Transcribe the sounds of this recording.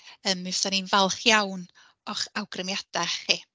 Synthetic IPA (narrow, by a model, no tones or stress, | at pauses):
əːmːɪvsθaninvalˠχjawn | ɔχawɡrəmjad̥aχi